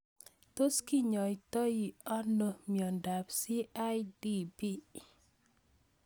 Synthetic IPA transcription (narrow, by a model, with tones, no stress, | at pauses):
to˦ski˦ɲɔ˨itɔ˦ji˨ɔ˦no˨mjɔ˨nda˨psi˦ʔa˦jdi˦bi˦